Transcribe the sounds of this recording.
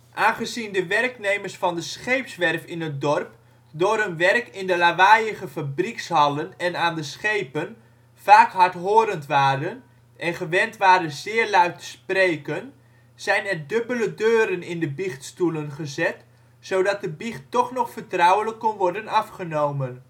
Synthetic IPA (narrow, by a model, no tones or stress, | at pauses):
ʔaːnχəzindəʋɛrknejməɹsfɑndəsχejpsʋɛrfɪnət̚dɔrp | dʊːɾənʋɛrkɪndəlaʋajəχəfabrikshɑlənɛnaːndəsχejpən | faːkɦɑɹtɦoːɾəntʋaːdən | ʔɛnχəʋɛntʋaːɾəzɪːɹlœɥtə̥sprejkən | z̥ɛjnɛrdɵbələdøːɾənɪndəbiχtstulənχəzɛt | sowdɑt̚dəbiχtɔχnɔχfəɹtrɔwələkːɔnʋɔɹdənɑfχənowmən